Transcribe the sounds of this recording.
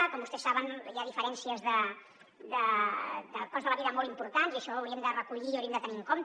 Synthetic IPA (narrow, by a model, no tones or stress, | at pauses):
əkɔmbust̪ɛsaβənijaðifəɾɛnsiəzðə | d̪əd̪əkɔzðəβəneɾəmɔlˠimpuɾt̪aniəʃɔːwɾiəmd̪ərəkuʎiəwɾieəmd̪ət̪əniəŋkomt̪